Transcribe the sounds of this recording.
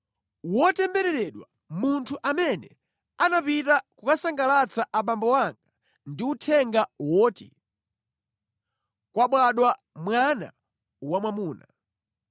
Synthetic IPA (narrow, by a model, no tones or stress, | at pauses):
wɔtɛmbɛɾɛɾɛɗwa | muntʰuʔamɛnɛ̰ | anapitakukasaŋɡalat͡saʔapambɔwaŋɡa | ndiutʰɛŋɡawɔːtḭ | kwaɓwaɗwa | mwana̰ | wamwamuːna